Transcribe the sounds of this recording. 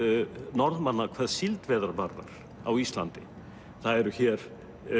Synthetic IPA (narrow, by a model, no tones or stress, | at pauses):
nɔɾðmanːakʰv̥ɛðsilt̪vɛːðaɾvaɾða̰ɾ̥ | a̰wist̪la̰nt̪ɪ | θaðɛɾʏçɛɾ̥